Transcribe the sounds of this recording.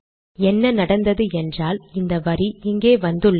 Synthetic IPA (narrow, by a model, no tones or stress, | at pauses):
ɛnːɐnɐɽɐnd̪ɐðɯɛndraːlɪnd̪ɐʋɐriɪŋɡeːʋɐnd̪ɯɭː